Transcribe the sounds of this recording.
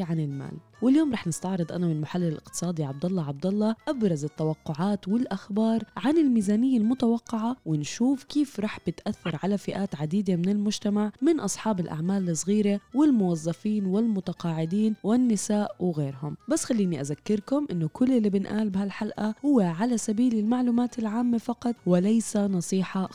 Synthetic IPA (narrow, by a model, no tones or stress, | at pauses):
ʕanɪlma̰ːl | wɪljoːmɾˤɑːħnɪst̪ɑʕɾɨd̪ˤʔanamɪnlmʊħalːɪɪlʔɪ̰q̚t̪ɨ̥sˤɑːd̪iʕab̚d̪ɑlˤːɑʕɑb̚d̪ɑlˤːɑʔabɾˤɑzɪt̪ːawɑqːʊʕaːt̪wɪlʔaxbɑːɾˤʕanɪlmiːzaːnɪjːalmʊt̪awɑqːɑʕawɪnʃuːfkiːfɾˤɑːħb̥ɪt̪ʔaθːɑɾˤʕalafɪʔaːt̪ʕad̪iːd̪emɪnɪlmʊʒt̪amaʕmɪnʔɑsˤħɑːbɪlʔa̰ʕmaːlɨsˤɣiːɾewɪlmʊwɑzˤːɑfiːnwɪlmʊt̪ɑqɑːʕɪd̪iːnwɪnːɪsaːʔwɪɣeːɾhʊmbasːxalːiːniʔazakːɪɾkʊmʔɪnːʊkʰʊlːɪlːiːbɪnʔaːlbɪhalħalʔahʊwːeʕalasabiːlɪlmaʕluːmaːt̪ɪlʕaːmːafɑqɑt̪ˤwɪlajsanɑsˤiːħɑ